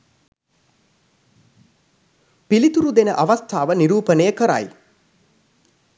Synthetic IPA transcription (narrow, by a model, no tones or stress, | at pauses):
pilit̪uɾud̪enəʔaʋast̪ʰaːʋəniɾuːpənəjəkəɾa̰j